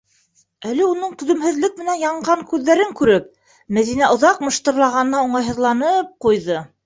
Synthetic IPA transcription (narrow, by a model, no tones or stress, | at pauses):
ælɘunɤɴt̪ɵ̆ðɵ̆mhɘ̆ðlɘk̚mɘ̆nænjɑɴɢɑŋkʉðːæɾɘŋkʉɾɘp̚ | mæðinæʔŏðɑqmɤ̆ʃt̪ɤ̆ɾlˠɑʁɑnɤ̆nɑuɴɑjɦɤ̆ðlˠɑnɤp̚qujðɤ